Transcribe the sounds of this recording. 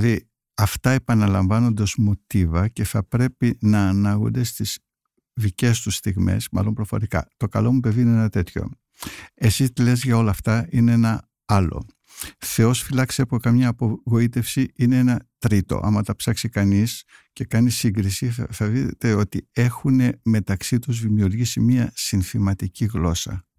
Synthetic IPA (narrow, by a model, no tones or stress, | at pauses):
ði | ɐft̪ɐe̞pɐnɐlɐɱvɐno̞nd̪ɐzmot̪ivɐce̞θɐpɾe̞pinɐːnɐɣṵnd̪e̞st̪iz̥ | ðice̞st̪ust̪iɣme̞̰smɐ̰lo̞mpɾo̞foɾikɐ̰t̪o̞kɐ̰lo̞mupe̞vineenɐt̪e̞t̪ço̞̰ | e̞sit̪ile̞zʝɐo̞lɐːft̪ɐineenɐ | ɐlo̞̰ | θe̞o̞sfilɐksɐpokɐmɲɐːpo̞ɣo̞it̪e̞fsiineenɐt̪ɾit̪o̞̰ʔɐ̰mɐt̪ɐpsɐksikɐnis | ce̞kɐnisiŋɡɾisiθɐðiet̪e̞o̞t̪ie̞xune̞me̞t̪ɐksit̪uzðimiuɾʝisimiɐsinθimɐt̪iciɣlo̞sɐ̰